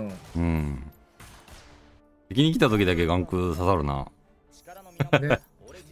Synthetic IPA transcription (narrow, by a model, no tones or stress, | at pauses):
ɯ̟̃ɴ | t̪ekʲiɲ̟ik̬ʲi̥t̪at̪o̞kʲid̪ak̬e̞ɡãŋkɯ̟sasaɾɯ̟na̰